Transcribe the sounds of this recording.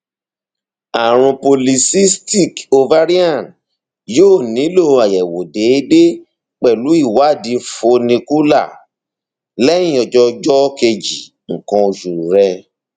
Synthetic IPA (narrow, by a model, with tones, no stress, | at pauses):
a˨ɾ̃ũ˧po˧li˧si˦sti˦˨ko˧va˦ɾi˦ã˦˨n | joː˦˨nĩ˨˦lo˦˨a˨jɛ˨wo˨de˨˦de˦ | k͡pɛ˨lu˨˦i˦˨wa˨˦˨dĩ˧˦fo˧nĩ˧ku˦la˦˨ | lɛ̃˦ĩ˦˧ɔ˨d͡ʒɔ˧d͡ʒɔ˦ke˧d͡ʒi˨ | ŋ̩˨kã˧o˧ʃu˨ɾɛ˧